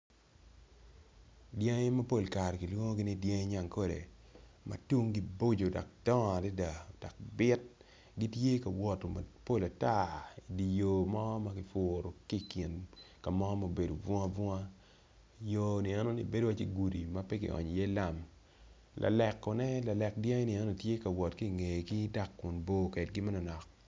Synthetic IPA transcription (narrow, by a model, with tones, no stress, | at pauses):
dje˦ŋe˦ma˦po˦˨lka˨ɾki˨lwo˦ŋo˦ɡi˦ni˦dje˦ŋe˦ɲa˦˨ŋko˦dḛ˨ | ma̰˨tu˦ŋɡi˦bo˦d͡ʒo˨dɔ̰˨k̚d̥ɔ˦ŋa˨di˦da˨o˨d̥ɔ˨k̚bɪ˦t̚ | ɡi˦tje˦ka˨wɔ˨to˨ma˨po˦la˨ta˦i˨di˨jo˨mɔ˦ma˦kɪ˨fʊ˨ɾo˨ki˦ki˨nka˨mɔ˦mo˦be˨do˨vɔ˦a˦vɔ˦a˦ | jo˨˦ni˨ɛ˦no˦nḭ˨be˦do˦wa˦t͡ʃi˦ɡu˨di˨ma˦pɛ˦kɪ̰˨ʔɔ̰˨ɲ˨je˦la˦˨m | lʔa̰˨lɛ˨kːɔ˨nɛ˦la˨lɛ˨kdjɛ˦ŋ˦ni˨ɛ˦no˨tje˦kɐ˨wɔ˨tki˦˨ŋe˨ki˦da˦kːʊ˨nbo˦kɛ˨tɡɪ˦ma˦nɔ˨nɔ˨k̚